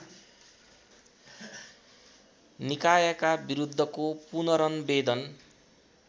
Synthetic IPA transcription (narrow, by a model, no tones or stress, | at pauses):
nikajʌkabiɾud̪ʱːʌkopunʌɾʌnbed̪ʌn